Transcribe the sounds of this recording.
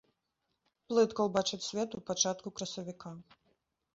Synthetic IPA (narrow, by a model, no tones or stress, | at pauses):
plˠɨt̪kɐwbat͡ʂɨt͡sʲsʲvʲɛt̪upat͡ʂat̪kukɾɐsɐvʲika